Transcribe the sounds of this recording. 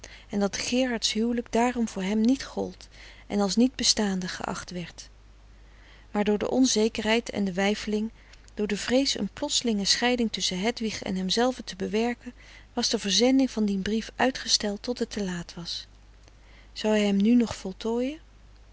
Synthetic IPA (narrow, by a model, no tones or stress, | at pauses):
ʔɛndɑtχɪːɹɑɹtsɦywləɡdaːrɔmvʊːɹɦɛmnitχɔlˠt | ʔɛ̰nɑlˠsnid̚bəstaːndəχə̰ʔɑ̰χtʋɛɹt | maːɹdʊːɹdə̰ʔɔnzejkəɹɦɛjtʰɛ̰ndəʋɛjfəlɪŋ | d̥ʊːɹdəvrejsə̰nplɔtsəlɪŋəsχɛjdɪŋtɵsəɦɛtʋiχɛ̰nɦɛmzɛlˠvətəbəʋɛɹkən | ʋɑzdəvəɹzɛndɪŋvɑndinbrifʔœɥtχəstɛlˠtːɔtətʰəlaːtʋɑs | z̥ɑwɛjɦɛmnynɔχfɔlˠtoːjən